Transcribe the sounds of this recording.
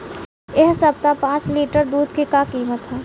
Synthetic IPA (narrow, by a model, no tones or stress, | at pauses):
eɦsɐb̚t̪apãːt͡ʃliːʈəɾd̪uːd̪kikakiːmət̪ɦɛː